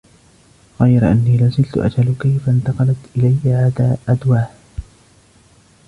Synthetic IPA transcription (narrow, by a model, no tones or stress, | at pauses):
ɣajɾʔanːiːlazɪlt̪ʊʔa̰d͡ʒalkajfant̪ɑqɑlat̪ʔɪlajːaʕaːd̪aːʔad̪waːh